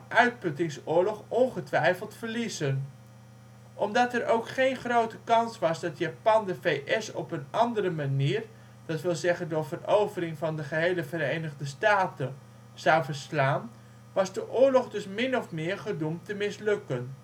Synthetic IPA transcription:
nʔœɥt̚pɵtɪŋsʊːɹlɔχɔnχətʋɛjfəlˠtfəɹlizən | ʔɔmdɑtɛrʔowkχejnχrowtəkɑnsʋɑsdɑtjaːpɑndəvejʔɛsɔ̰pənɑndəɾəmaniːr | d̥ɑtʋɪlˠzɛχəndʊːɹvərowvərɪŋvɑndəχəɦejləvəɾejnəχdəstaːtə | z̥ɑwvəɹslaːn | ʋɑzdəʔʊːɹlɔχdɵsmɪnɔfmɪːɹχədumtəmɪslɵkən

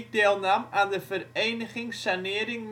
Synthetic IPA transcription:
d̪eːlˠnamandəfəɾejnəχɪŋsanɪːɾɪŋm

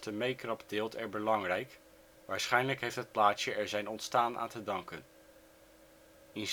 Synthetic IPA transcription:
təmejkrɑpdɪːlˠtɛɹbəlɑŋrɛjk | ʋaːɹsχɛjnləkɦejftɦət̚plaːtsəɛɹzɛjnɔntstaːnʔa̰ːntədɑŋkən | ɪn

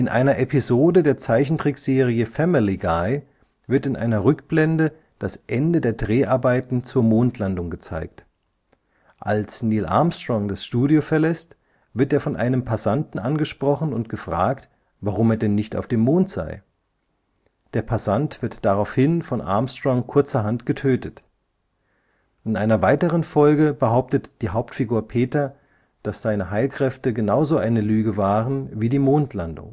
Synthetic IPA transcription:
ʔɪnʔa̰ɪnɐʔepizoːdədeːɐt͡saɪçn̩tʁ̥ɪkz̥eːʁ̞iəfɛmiliɡaɪ | vɪɐtɪnʔa̰ɪnɐʁʏkb̥lɛndə | d̥asʔɛndədeːɐdʁeːʔaɐbaɪtn̩t͡suːɐmoːntʰlandʊŋɡət͡sa̰ɪkt | ʔalsniːlʔa̰ɐmstʁ̥ɔŋdasʃtuːdjofɛɐlɛst | vɪɐteːɐfɔnʔa̰ɪnəmpʰasantn̩ʔanɡəʃpʁ̥ɔχn̩ʊ̰ntɡ̥əfʁ̥a̰ːkt | vaʁʊmeːɐdɛnːɪçta̰ʊfd̥eːmːoːntz̥a̰ɪ | d̥eːɐpʰasantv̥ɪɐtd̥aʁaʊfhɪnfɔnʔa̰ɐmstʁ̥ɔŋkʰʊɐt͡sɐɦantɡ̥ətʰøːtət | ʔɪnʔaɪnɐvaɪtəʁ̞ənfɔlɡəbəɦaʊp̚tətd̥iːɦaʊptfiɡuːɐpʰeːtɐ | d̥asz̥aɪnəɦaɪlkʁ̥ɛftəɡənaʊzoʔaɪnəlyːɡəvaːʁənviːdiːmoːntʰlandʊ̰ŋ

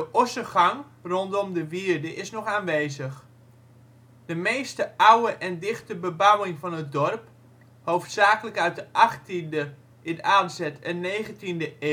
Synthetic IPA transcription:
dəʔɔsəχɑŋ | rɔntɔmdəʋiərdəʔɪsnɔχaːnʋeːzəχ | dəmeːstəawəʔɛndɪχtəbəbawɪŋfɑnət̚dɔrp | howftsaːkələkœɥt̚dəʔɑχtində | ʔɪnaːdzɛtɛnːeːɣəntindəʔe

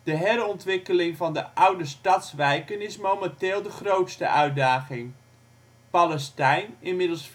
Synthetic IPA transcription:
d̥əɦɛrɔntʋɪkəlɪŋvɑndəʔʌwdəstɑtsʋɛjkənɪsmowmɛntɪːlˠdəχrowtstə̰ʔœɥ̚daːχɪŋ | palɛstɛjnɪnmɪdəl̩ˠs

